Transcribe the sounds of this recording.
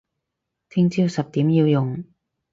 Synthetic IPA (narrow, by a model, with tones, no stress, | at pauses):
t̪ʰɪ˥ŋt͡siː˥wsɐ˨p̚t̪iː˨˥mjiː˧wjʊ˨ŋ